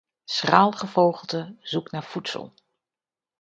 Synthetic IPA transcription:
sraːlˠχəvowχəlˠtəzuknaːɹfutsə̰lˠ

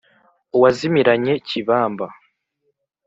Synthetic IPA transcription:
uwazimiɾaɲe̞ciβaːmba

